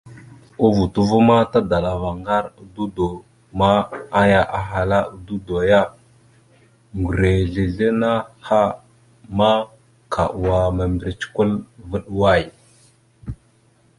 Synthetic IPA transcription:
u˦vu˨tu˦vu˦ma˦ta˦da˨la˨va˨ŋɡa˦ɾu˨du˦do˨ | ma˦a˦ja˨ʔa˨ɦa˨la˦u˨˦du˦do˨ja˦ | ŋɡu˨ɾe˨ɮe˨ɮe˦na˦ha˦ | ma˦ | kʰa˨ʔu˨wa˨ma˨mbi˨ɾi˨t͡ʃi̥˦ku˦lvə˦ɗwa˦˨j

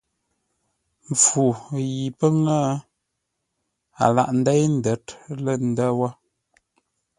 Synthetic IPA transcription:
ɱ˨fu˨ji˨pə˦ŋə˦ | a̰˨la̰˨ʔn̩˨˦dɛ˦jn̩˦də˨tlə˦˨n̩˨də˦wə˦

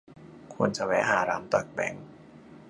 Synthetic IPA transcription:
kʰu˧nt͡ɕa˧˩wɛ̰˦˥ɦaː˨˩˦ɾaː˦˥mt̪ɔ˨˩k̚bɛ̰˨˦ŋ

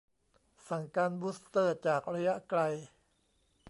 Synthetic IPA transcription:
sa˧˩˦ŋkaː˧nbuː˦˥st̪ɤː˧˥˩t͡ɕaː˨˩k̚ɾa˧ja˦˥ʔkla˧j

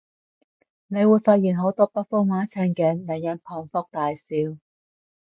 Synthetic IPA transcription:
ne˨˧jwuː˨˧jfaː˧t̚jiː˨˩nɦo˨˥wt̪ɔː˥pɐ˥t̚fʊ˥ŋwaː˨˥t͡sʰɛː˧ŋkɛ˨˥nlɛ˨˩ŋjɐ˨˧npʰɔː˧ŋfʊ˥k̚t̪aː˨jsiː˨˧w

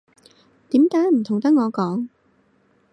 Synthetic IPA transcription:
t̪iː˨˥mkaː˨˥jm̩˨˩t̪ʰʊ˨˩ŋt̪ɐ˥k̚ŋɔː˨˧kɔː˨˥ŋ

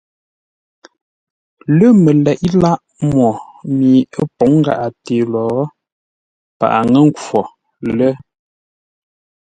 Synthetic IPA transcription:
lə˦mə˨lɛ˨ʔi˦la˦ʔ | mwɔ˨miː˨ə˦po˨˦ŋ˦ɡa̰˨ʔa˨te˨lɔː˨˦ | pa̰˨ʔa˨ŋə˦ŋ˦kwɔ˨ | lə˦

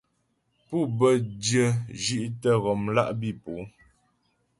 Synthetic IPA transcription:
pu˦˨bə˦djə˦d͡ʒi˦ʔtə˦ɣɔ˨mla˦ʔbi˦˨pu˨˦

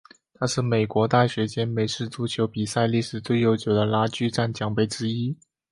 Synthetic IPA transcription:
t̪ʰa˥ʂɻ̩˥˩me˨˩ɪkwɔ˧˥t̪a˥˩ɕɥɛ˧˥t͡ɕjɛ˥nme˧˥ɪʂɻ̩˥˩t͡su˧˥t͡ɕʰjo˧˥ʊpi˨˩sa˥˧ɪli˥˩ʂɻ̩˨˩t͡swe˥˩ɪjo˧˥ʊt͡ɕjo˨˩ʊd̪ə˧la˥t͡ɕy˥ʈ͡ʂa˥˩nt͡ɕjɑ˨˩ŋpe˥˩ɪʈ͡ʂɻ̩˥i˥

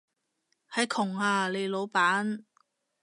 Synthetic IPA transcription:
hɐ˨˥jkʰʊ˨˩ŋhaː˧le˨˧jlo˨˧wpaː˨˥n

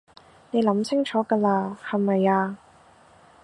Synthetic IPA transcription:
ne˨˧jlɐ˨˥mt͡sʰɪ˥ŋt͡ʃʰɔː˨˥kɐː˧laː˧hɐ˨˩mɐ˨jaː˧

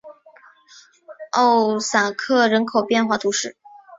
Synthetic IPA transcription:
o˥˩ʊsa˨˩kʰɤ˥˩ɻə˧˥nkʰo˨˩ʊpjɛ˥˧nxwa˥˩t̪ʰu˧˥ʂɻ̩˥˩

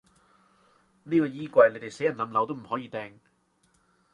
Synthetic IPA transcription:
niː˥kɔː˧jiː˥kʷɐ˧jle˧jt̪e˨jse˨˥jɐ˨nlɐ˨˧mlɐ˨˧wt̪o˥wm̩˨˩hɔː˨˥jiː˧t̪ɛː˧ŋ

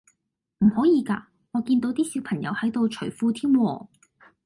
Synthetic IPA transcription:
m̩˨˩hɔː˨˥jiː˨˧ka̰ː˧ | ŋɔː˨˧kiː˧nt̪o˨˥wt̪iː˥si˨˧˥wpʰɐ˨˩ŋjɐ̰˨˧whɐ˨˥jt̪o˨wt͡ʃʰɵ˨˩jfuː˧t̪ʰiː˥mwɔː˧

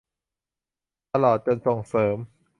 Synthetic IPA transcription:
t̪a˧lɔː˨˩t̪̚t͡ɕɤ˧nso˨˩ŋsɤː˩˦m

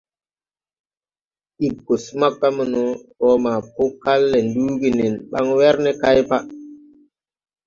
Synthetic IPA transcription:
i˨b̚ɡo˨sma˦kːa˦mə˨nu˦ɔ˦ma˨pu˦ka˦lːe˨nduː˦ɡi˨ni˨nɓa̰˦ŋwe˦ɾnɛ˦ka˦jpa˦

